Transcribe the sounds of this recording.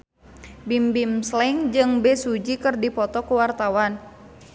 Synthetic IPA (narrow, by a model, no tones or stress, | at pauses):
bimbimslɛŋd͡ʒɨŋbɛsud͡ʒikɨrdipɔt̪ɔkuwart̪awan